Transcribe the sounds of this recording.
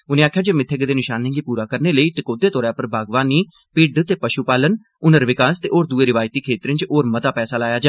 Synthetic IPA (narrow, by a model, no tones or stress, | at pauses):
ʊnẽːaːkʰːjaːd͡ʒeːmɪt̪ʰːeɡd̪eːnɪʃaːnẽːɡiːpuːɾaːkəɾneːləiːʈɪkoːd̪eːt̪ɔːɾaːpəɾbʱaːɡʋaːniː | pɪɖt̪eːpəʃuːpaːlən | ʊnəɾʋɪkaːst̪ḛːʔoːɾd̪uːeːɾɪʋaːjt̪iːkʰeːt̪ɾə̃nt͡ʃoːɾmət̪aːpɛːsaːlaːjaːd͡ʒa